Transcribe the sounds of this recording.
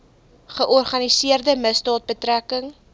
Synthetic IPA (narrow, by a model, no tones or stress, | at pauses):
χəʔɔrχɐnisiərdəməsdɑːt̚bətrækəŋ